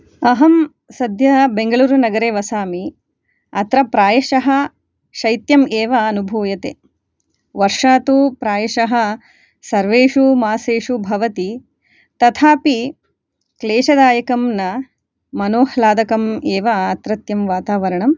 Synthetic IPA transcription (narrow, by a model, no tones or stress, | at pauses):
ɐɦɐm | sɐd̪ʱjɐbeŋɡɐɭuːɾunɐɡɐɾeːʋɐsaːmi | ɐt̪ɾɐpɾaːjɐʃɐɦɐ | ʃɐjt̪jɐmeːʋɐːnubʱuːjɐt̪eː | ʋɐɾʂaːt̪upɾaːjɐʃɐɦɐ̆ | sɐɾʋeːʂumaːseːʂubʱɐʋɐt̪i | t̪ɐt̪ʰaːpi | kleːʃɐd̪aːjɐkɐmnɐ | mɐnoːhlaːd̪ɐkɐmeːʋɐːt̪ɾɐt̪jɐmʋaːt̪aːʋɐɾɐɳɐm